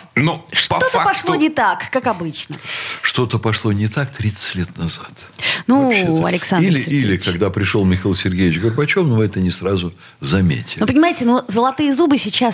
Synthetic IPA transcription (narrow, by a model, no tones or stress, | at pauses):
noʂt̪ot̪əpɐʂlˠonʲɪt̪akːakɐbɨt͡ɕnəʂt̪ot̪əpɐʂlˠonʲɪt̪ak̚t̪ɾʲit̪sə̥tʲlʲet̪nɐzat̪ | nuɐ̰lʲɪksanilʲɪsɪɾilʲɪkɐɡd̪apɾʲɪʂolˠmʲɪxilˠsʲɪrɡʲejɪt͡ɕɡərbɐt͡ɕo̞fnʊvɛt̪ənʲɪsɾazʊ | zɐmʲḛtʲɪlʲnupənʲɪmajɪtʲɪnuzəlˠɐt̪ɨjəzubɨsʲɪt͡ɕas